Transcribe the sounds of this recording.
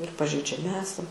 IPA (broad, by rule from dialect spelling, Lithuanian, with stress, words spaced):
ɪr pɐʒʲɛɪd͡ʒʲɛˈmʲɪ ˈæːsɐm